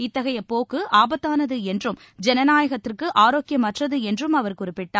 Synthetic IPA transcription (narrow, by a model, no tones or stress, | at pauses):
ɪt̪ːɐɣɐjɐpoːkɯʔaːbɐt̪ːaːnɐðɯɛndrɯm | d͡ʒɛnɐnaːjɐɣɐt̪ːɪrkɯʔaːɾoːkjɐmːɐʈrɐðɯɛndrɯmɐʋɐɾkʊrɪpːɪʈːaː